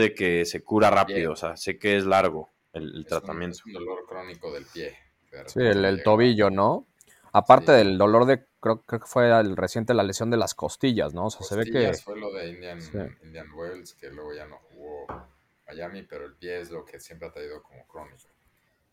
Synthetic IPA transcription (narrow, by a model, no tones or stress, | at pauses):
ðeke̞se̞kuɾarapiðosea̰se̞keezlaɾɣo̞ | elḛlt̪ɾat̪amje̞nt̪od̪oloɾkɾonikoðelpje | peɾsielelt̪o̞β̞iʝo̞no̞ | apaɾt̪e̞ðe̞ld̪o̞lo̞ɾðekɾeokekːɾeokefwe̞resje̞nt̪e̞lalesjo̞nd̪e̞lasko̞st̪iʝa̰zno̞osease̞β̞e̞kkefweloðeind̪jansḭind̪janwelskelweɣoʝanoxuɣo | maʝamipe̞ɾoelpjeezlo̞kesjempɾeat̪ɾaiðo̞komokɾoniko